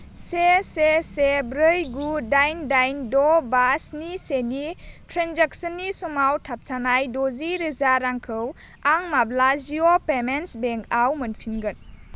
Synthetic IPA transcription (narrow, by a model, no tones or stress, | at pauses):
sesesebɾɯjɡudajndajndɔbasnisenitɾenzak̚sənːisɔmawtʰap̚tʰanajdoziɾizaɾaŋkʰɯw | aŋmablaziopemensbeŋkʰawmɯnpʰinɡɯn